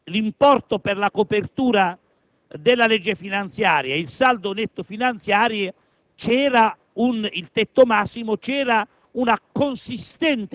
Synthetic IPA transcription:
limpɔrt̪operlakopert̪uːɾa | d̪ɪlːalɛd͡ʒːefinant̪sjaːɾjailsald̪onet̪ːofinant̪sjaːɾje | t͡ʃɛːɾa | unilt̪ɛt̪ːomasːimot͡ʃɛːɾa | unakonsist̪ɛnt̪

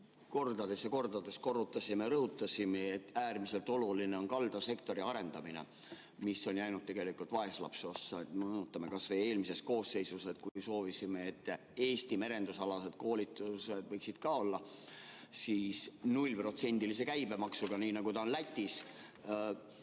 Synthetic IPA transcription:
ko̞rd̪ɑd̪e̞sjɑko̞rd̪ɑd̪e̞sko̞rːut̪ːˑɑsimeɾɤɦut̪ːˑɑsʲimeet̪ːˑæːrmise̞lt̪o̞luline̞o̞nkɑld̪̥ɑse̞kt̪o̞ɾiɑɾe̞nd̪ɑmine̞̰ | misːo̞nʲjæjnud̪̥̚t̪ːeɡe̞likːult̪vɑe̞slɑ̰pso̞sːɑet̪menut̪ːˑɑme̞kɑsveje̞ːlmise̞st̪̚ko̞ːsːe̞jsuset̪̚kujso̞ːvisimeet̪ːˑ | e̞ːst̪ime̞ɾe̞nd̪usɑlɑse̞d̪̥ko̞ːlʲit̪ːˑused̪vɤjksid̪̥kɑo̞lːɑ | siːsnulʲpro̞t̪se̞nʲd̪̥ilis̬e̞kæjbe̞mɑksuɡ̥ɑniːnɑɡ̥ut̪ɑonlæt̪ʲːˑis

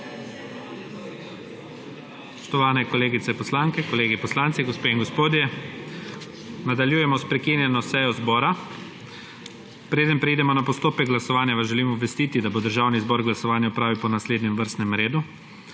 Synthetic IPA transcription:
spɔ̥ʃt̪ɔʋaːnɛkɔleːɡit̪sɛpɔslaŋkɛkɔleːɡipɔslant̪siɡɔspeːiŋɡospoːd̪jɛ | nad̪aljuːjɛmɔspɾɛkinjɛnɔsɛjɔzbɔːɾa | pɾeːd̪ənpɾɛid̪ɛmɔnapɔst̪oːpɛɡ̚ɡlasɔʋaːnjaʋazʒɛlimɔbʋɛst̪iːt̪id̪abod̪əɾʒaːwnizbɔːɾɡlasɔʋaːnjaupɾaːʋiwpɔnasleːd̪nɛmʋəɾst̪nɛmɾeːd̪u

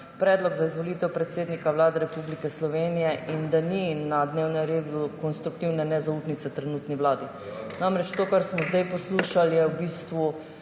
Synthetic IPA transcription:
pɾɛːd̪lɔɡzaizʋɔlit̪ɛwpɾɛt̪seːd̪nikaʋlaːd̪ɛɾɛpublikɛslɔʋeːnijɛʔind̪aninad̪newnɛmɾeːd̪ukɔnst̪ɾuk̚t̪iwnɛnɛzauːpnit̪sɛt̪ɾɛnuːt̪niʋlaːd̪i | namɾɛt͡ʃt̪oːkaɾsmɔzd̪ajpɔsluːʃaljɛwbiːst̪ʋu

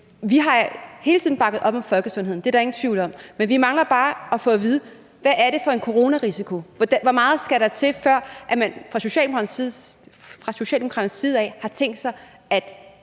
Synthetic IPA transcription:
ʋiɦɑ̈he̝ːlt͡sʰiðˠn̩b̥ɑ̈ɡ̥ð̞̩ˠɒ̽b̥ɒ̽mfɒ̽lɡ̥əsɔ̽ne̝ð̰ˠnd̥e̝æɾɑ̈e̝ŋn̩t͡sʰʋiʊ̰lɒ̽m̰menʋimɑ̈ŋlɐb̥ɑ̈ːɒfɔ̽ːʋið̞ˠ | ʋæʔːɐɾe̝fɒ̽e̝nkʰo̝ʁo̝ːnæʁisikʰo̝d̥ʋɒ̽mɑ̈ːð̞̩ˠsɡ̥æɾɑ̈t͡sʰe̝fɶɐ̰ʔæmænfʁɑ̈so̝ɕɛ̰ld̥emo̥kʰɑ̈ni | fʁɑ̈so̝ɕɛ̰ldemokʰɑ̈d̥n̩sːiːð̞ˠɛ̰ːhɑ̈t͡sʰeŋ̰ɡd̥sɑ̈ɪ | æd̥

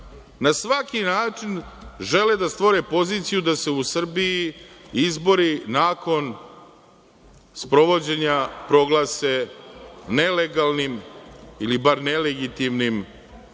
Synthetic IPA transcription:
nasʋakinaːt͡ʂinʒe̞led̪ast̪ʋoɾepo̞ziːt̪sijud̪ase̞usr̩biiizbo̞ɾinaːko̞n | spɾo̞ʋo̞d͡ʑeɲapɾo̞ɡlˠase̞ | ne̞leɡalˠnimilibaɾne̞leɡit̪imnim

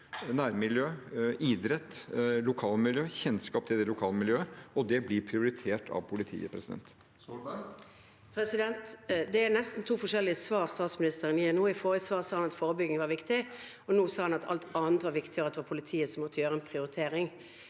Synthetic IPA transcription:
næːɾmɪljøːʔid̪ɾɛt̪ːlʊkʰɑːlmɪljøːçɛnskɑːp̚t̪ʰɪld̪ɛlʊkʰɑːləmɪljøːəɔd̪ɛblɪɾpʰɾɪʊɾɪt̪ʰeːʈʰɑ̰ʋpʰʊlɪt̪ʰḭːə̰pʰɾɛsɪd̪ɛ̰nt̪ | pʰɾɛsɪd̪ɛnt̪d̪ɛæɾnɛst̪n̩t̪ʰuːfɔʂɛlːɪəsʋɑːɾst̪ɑːt̪smɪnɪst̪əɾəniːɛnuːɪfoːɾəsʋɑːʁsɑːhɑnɑt̪foːʁəbʏɡɪŋʋɑɾʋɪkt̪ɪ | ɔnuːsɑːhɑnɑt̪ʰɑ̰lt̪ɑːnt̪ʋɑɾʋɪkt̪ɪəɾɑt̪ɛʋɑːpʰʊlɪt̪ʰiːəsɔmɔt̪ʰːəjøːɾəɛnpʰɾɪʊɾɪt̪ʰeːɾɪŋ

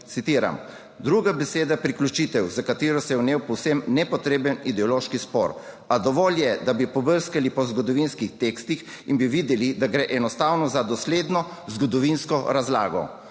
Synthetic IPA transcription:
t̪sit̪iːɾa̰m | d̪ɾuɡabɛseːd̪apɾiklʲut͡ʃit̪ɛwzakat̪iːɾɔsɛjɛwneːwpɔwsɛmnɛpɔt̪ɾeːbənid̪ɛɔloʃkispɔ̰ːɾ | ad̪ɔʋɔːljɛd̪abipɔbəɾskalipɔzɡɔd̪ɔʋinskixt̪eːkst̪ix | inbiʋid̪ɛlid̪aɡɾɛːʔɛnɔst̪awnɔzad̪ɔsleːd̪nɔ | zɡɔd̪ɔʋinskɔɾazla̰ːɡɔ̰

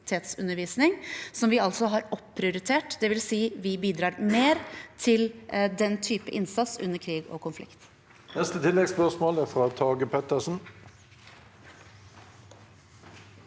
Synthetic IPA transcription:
t̪ʰeːt̪sʉnəɾʋiːsnɪŋsɔmʋɪɑlsɔɦɑːɾɔpʰːɾɪʊɾɪt̪ʰeːʈd̪ɛʋɪlsiːʋɪbiːd̪ɾɑːɾmeːɾt̪ʰɪld̪ɛnt̪ʰyːpəʔɪnsɑt̪sʉnːəɾkʰɾiːɡo̰ːkʰʊnflɪ̰kt̪ | nɛst̪ət̪ʰɪlːɛɡspœsmoːlæfʁɑːt̪ʰɑːɡəpʰɛt̪əsn̩

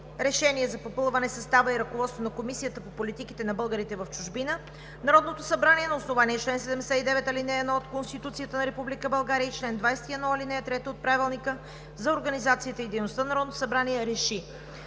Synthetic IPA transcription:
ɾɛʃɛniɛzɐpopɤlˠvɐnɛsɐst̪avəiɾɐkovɔt̪st̪vonɐkomisijət̪əpopolit̪ikit̪ɛnɐbɤlˠɡəɾit̪ɛvɐft͡ʃʊʒbinə | nɐɾɔd̪not̪osɐbɾaniɛnɐosnovaniɛt͡ʃlɛnsɛd̪ɛmd̪ɛsɛid̪ɛvɛt̪ɐlinɛːd̪nɔot̪konst̪it̪ut̪sijət̪ənɐɾɛpublikəbɐlˠɡaɾiəit͡ʃlɛnd̪vajsɛ̥t̪iɛd̪nɔɐlinɛɛt̪ɾɛt̪ɛot̪̚pɾavilˠnikə | zɐoɾɡɐnizat̪siɐt̪əid̪ɛjnost̪ənɐɾɔd̪nt̪osɐbɾaniɛɾɛʃi

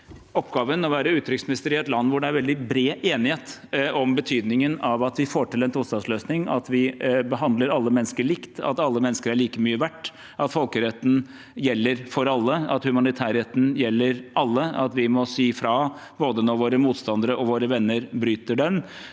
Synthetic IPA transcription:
ɔpːɡɑːʋənɔʋæːɾəʉːt̪ɾɪksmɪnɪst̪əɾɪɛt̪lɑnːʋʊɖɛæɾʋɛld̪ɪbɾeːʔeːnɪheːt̪ɔmbət̪ʰyːd̪nɪŋənɑʋɑt̪ʋɪfoːʈɪlɛnt̪ʰuːst̪ɑnsløːsnɪŋɑ̰t̪ʋɪbəɦɑnd̪ləɾɑlːəmɛnːskəɭɪkt̪ɑ̰t̪ɑlːəmɛnːəskəɾæɭiːkəmyːəʋæʈː | ʔɑt̪fɔlkəɾɛt̪n̩ | jɛlːəɾfɔɾɑlːəɑ̰t̪hʉmɑnɪt̪ʰæːɾhɛt̪n̩jɛlːəɾʔɑlːəɑt̪ʋɪmɔsiːfɾɑboːd̪ənɔɾʋoːɾəmuːt̪st̪ɑnd̪əɾəʔɔʋoːɾəʋɛnːəɾbɾyːt̪əɖɛm

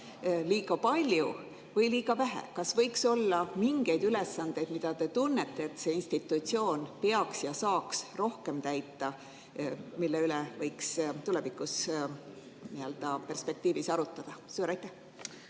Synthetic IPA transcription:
liːɡ̥ɑpɑlʲju | vɤjliːɡ̥ɑvæɦæ̰kɑsvɤjkso̞lːɑmiŋɡ̥e̞jd̪yle̞sːɑnd̪̥e̞jd̪mid̪̥ɑt̪e̞t̪unːet̪ːe̞ːt̪se̞ːinst̪it̪ːˑut̪sio̞ːnpeɑksjɑsɑːksro̞hke̞mt̪æjt̪ːˑɑ | milːe̞ylɛvɤjkst̪ule̞vikːˑus | niø̞ld̪̥ɑpe̞rspe̞k̚t̪iːvisɑɾut̪ːˑɑd̪̥ɑsuːɾɑjt̪ːˑæh

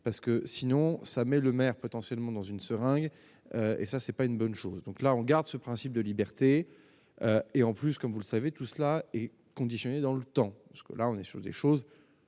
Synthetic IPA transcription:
paʁsə̥kəsinɔ̃samɛləmɛʁpɔt̪ɑ̃sjɛlmɑ̃d̪ɑ̃zynsəʁɛ̃ɡ | øḛsasɛpaynbɔnʃozd̪ɔ̃klaɔ̃ɡaʁd̪səpχɛ̃sip̚d̪əlibɛʁt̪e | øeɑ̃plyskɔmvuləsavet̪uslaɛ | kɔ̃d̪isjɔned̪ɑ̃lət̪ɑ̃pasə̥kə̰laɔ̃nɛsyʁd̪ḛʃoz

